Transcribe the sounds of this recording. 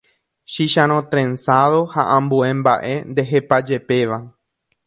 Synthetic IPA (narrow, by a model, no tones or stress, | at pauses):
ʃiʃãɾ̃õt̪ɾẽ̞nsaðohaʔãmbuẽ̞mba̰ʔe̞̰nd̪e̞ɦe̞pad͡ʒe̞pe̞ʋa